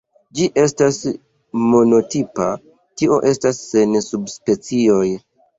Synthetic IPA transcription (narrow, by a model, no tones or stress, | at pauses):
d͡ʒiʔe̞stas | mo̞no̞tipa | tio̞ʔe̞stasːe̞nsubspe̞t͡sio̞j